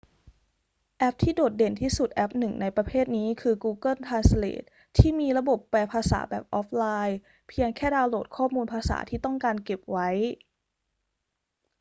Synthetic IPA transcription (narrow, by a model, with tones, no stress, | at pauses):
ʔɛ˦˥p̚t̪ʰiː˥˩doː˨˩t̪̚de˨˩nt̪ʰiː˥˩su˨˩t̪̚ʔɛ˦˥p̚nɯ˨˩ŋna˧jpɾa˧pʰeː˥˩t̪̚niː˦˥kʰɯː˧kuː˧kɤ˥˩nt̪ʰaː˧nslḛː˨˩t̪̚ʰːiː˥˩miː˧ɾa˧bo˨˩pːɛː˧pʰaː˧sa̰ː˩˦bɛː˨˩p̚ʔɔː˦˥p̚ʰlaː˧j | pʰi˧əŋkʰɛː˥˩daː˧wloː˨˩t̪̚kʰɔː˥˩muː˧npʰaː˧sa̰ː˩˦t̪ʰiː˥˩t̪ɔ˥˩ŋkaː˧nke˨˩p̚wa˦˥j